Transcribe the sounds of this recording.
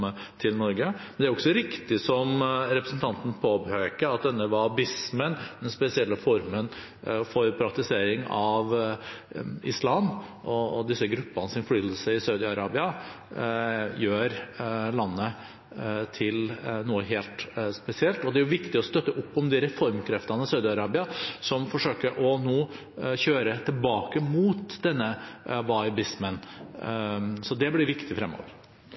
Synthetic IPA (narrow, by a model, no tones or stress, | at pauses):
ə | t̪ʰɪlnɔɾɡəmɛnd̪ɛæɾɔksɔɾɪkt̪ɪsɔmɾɛpɾəsn̩t̪ʰɑnt̪n̩pʰoːbhøʏkəɑt̪̚d̪ɛnːəʋɑbɪsmənd̪ɛnspɛsɪɛlːəfɔɾmən | fɔɾpʰɾɑk̚t̪ɪseːɾɪŋɑʋ | ɪ̰slɑːmʔɔd̪ɪsːəɡɾʉpːɑnəsɪnflyːd̪əl̩səɪsɑʉd̪ɪɑɾɑːbɪɑ | jøːɾlɑnːə | t̪ʰɪlnuːəɦeːlt̪spɛsɪɛlt̪ɔd̪ɛæɾjʊʋɪkt̪ɪɔst̪œt̪ːəʔʊpːɔmd̪ɪɾɛfɔɾmkʰɾɛft̪ɑnəɪsɑʉd̪ɪɑɾɑːbɪɑsɔmfɔʂøːkəɾʔɔnoː | çøːɾət̪ʰɪlbɑːkəmuːt̪d̪ɛnːəʋɑɪbɪsmən | sɔd̪ɛblɪɾʋɪkt̪ɪfɾɛmo̰ːʋɾ